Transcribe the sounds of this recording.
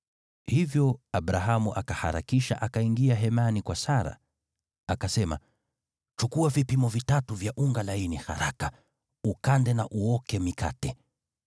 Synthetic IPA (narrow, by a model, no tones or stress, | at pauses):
hivjɔabɾaɦamuʔakahaɾa̰kiʃa̰ʔakaiŋɡiaɦɛmanikwasaɾa̰ | akasɛma̰ | t͡ʃukuavipimɔvitatuvjaʔuŋɡalainiha̰ɾaka | ukandɛnaʔuɔkɛmika̰tɛ